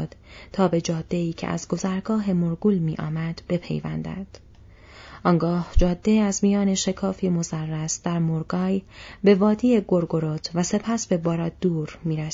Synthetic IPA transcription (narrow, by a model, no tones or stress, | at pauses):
d̪̥t̪ʰɒːbe̞d͡ʒɒːd̪̥ːe̞iːcʰḛʔæ̰zɡo̞zæɾɡɒːɦe̞moɾɡuːlmiːʔɒ̰ːmæd̪̥b̥e̞pʰḛjvæ̰nd̪æ̰nd̪̥ | ʔɒːŋɡɒːhd͡ʒɒːd̪̥ːeæzmijɒːne̞ʃe̞kʰɒːfiːmo̞zærːæsd̪̥æɾmoɾɡɒːjbe̞vɒːd̪iːeɡo̞ɾɡo̞ɾot̪ʰvæse̞pʰæsbe̞bɒːɾɒd̪̥uːɾmiːɾæs